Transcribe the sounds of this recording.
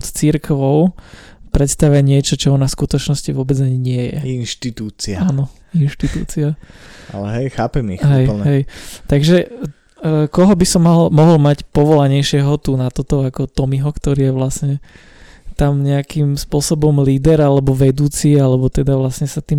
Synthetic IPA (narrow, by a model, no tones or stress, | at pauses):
t̪t͡siɾkʋɔʊpɾɛt̪st̪aʋaɲɪɛt͡ʃɔt͡ʃɔɔnafskut̪ɔt͡ʃnɔsciʋʊɔbɛd͡zaɲiɲɪɛjɛ̰inʃt̪it̪uːt͡siaaːnɔ | inʃt̪it̪ṵːt͡siaa̰lɛɦɛjxaːpɛmḭɦɛjl̩ɦɛjt̪aɡʒɛ | kɔɦɔbisɔmːaɦlmɔɦɔlmacpɔʋɔlaɲɛjʃɪɛɦɔt̪unat̪ɔt̪ɔakɔt̪ɔmiɦɔkt̪ɔɾiːjɛʋlasɲɛ | t̪amɲɛakimspʊɔsɔbɔmliːd̪ɛɾalɛbɔʋɛd̪uːt͡sialɛbɔt̪ɛd̪aʋlasɲɛsat̪iːm